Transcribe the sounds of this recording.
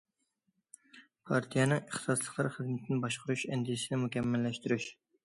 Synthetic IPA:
pʰɑɾt̪ʰijɛnɨŋəχt̪sɑslˠəqlˠɑɾχəzmɪt̪ʰɪnɪbɑʃqʰʊɾuʃɛnd̪ijɪsɪnɪmukʲʰɛmːɛlːɛʃt̪yɾyʃ

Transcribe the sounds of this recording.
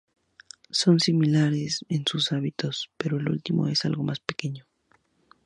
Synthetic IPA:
so̞nsimilaɾesensusaβit̪o̞spe̞ɾoelṵlt̪imʔo̞̰e̞sa̰lɣo̞maspe̞ke̞ɲo

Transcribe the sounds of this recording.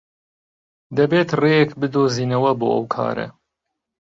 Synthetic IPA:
d̪ɐbeːt̪reːjɛkbɨd̪oːziːnɐwɐboːʔɐ̰wkʰɑ̰ːɾɐ̰

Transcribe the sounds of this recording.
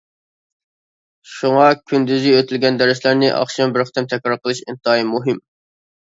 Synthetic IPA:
ʃuŋɑkʲʰynd̪yziøt̪ʰylɡʲɛnd̪ɛɾɪslæɾnɪʔɑ̰χʃɑmbɪɾχɪ̥t̪ʰɛmt̪ʰɛkʲɾɑɾqʰəlˠɨʃɪ̰nt̪ɑːimuɦɨm

